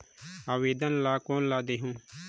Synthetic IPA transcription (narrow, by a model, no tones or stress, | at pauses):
aːʋeːd̪ənlaːkoːnlaːd̪eːɦũː